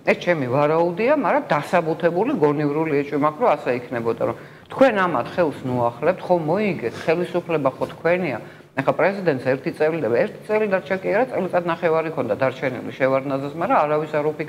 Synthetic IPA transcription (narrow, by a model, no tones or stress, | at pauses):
ɛst͡ʃʰɛmivaɾaud̪iamaɾad̪asabut̪ʰɛbuliɡɔnivɾuliɛt͡ʃʼwimakʰɾɔasɛikʰnɛbɔd̪a̰ɾɔm | t̪ʰkʰwɛnamat̪ʰχɛlˠsnuaχlɛp̚t̪ʰχɔmɔiɡɛt̪ʰχɛlisupʰlɛbaχɔt̪ʰkʰwɛnia̰ | ɛχapʼɾɛzid̪ɛnt̪sɛɾt̪ʰit̪sʼɛlid̪aɛɾt̪ʰit̪sʼɛlid̪aɾt͡ʃʰɛkʼiaɾat̪sʼɛlit̪ʼad̪naχɛvaɾikʰɔnd̪ad̪aɾt͡ʃʰɛnḭlḭʃɛvaɾd̪nazɛsmaɾaːɾavisaɾɔpik